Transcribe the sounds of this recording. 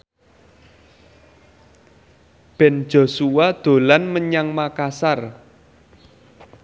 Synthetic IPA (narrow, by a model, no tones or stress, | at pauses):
b̥ɛ̤n̥d͡ʒ̥o̤suwad̪̥o̤lanməɲaŋmakasar